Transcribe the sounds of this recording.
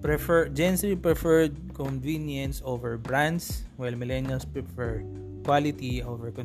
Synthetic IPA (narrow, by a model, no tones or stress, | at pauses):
pɹɛfɛd͡ʒɛ̃nslipɹɛfɛɹd̪̚kɔnvinjɐ̃nsovɛɹbɹãnd̪swajlmɪlɛnjalspɹɛfɛɹ | kwalɪt̪iovɛɹkɔ̃n